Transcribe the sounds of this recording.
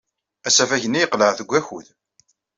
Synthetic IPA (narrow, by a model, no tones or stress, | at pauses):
æsæfæçənːijəqləʕθəɡʷːæçṵð